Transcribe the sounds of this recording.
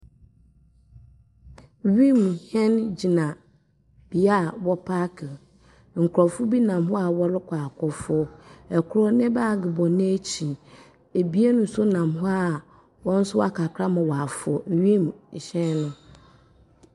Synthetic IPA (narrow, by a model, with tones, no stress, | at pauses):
ɥi˦m˨hɛ̃˦nd͡ʑi˨nã˨ | b̥i˨a˦wɔ˦pʰa˦kʰɪ˨ | ŋ̩˨kʰʊ˨ɾɔ˨fʊ˦bi˦nã˨mɦʊ˦a˨wɔ˦ɾʊ˦kʰa˨kʰɔ˨fʊ˦ɛ˨kʰʊ˦ɾɔ˦nɪ̃˦ba˦˨ɡɪ˨bɔ˨nɪ̃˦æ˦t͡ɕʰi˨ | e˨bi˦e˦nʊ̃˦sʊ˦nã˨mɦʊ˦a˨ | wɔ̃˦n̩˦sʊ˦wa̰˦kʰa˨kʰɾa˦mã˨wa˨a˨fʊ˨ɔ˨n̩˨ɥi˦m˨ɕɛ̃˦nʊ̃˦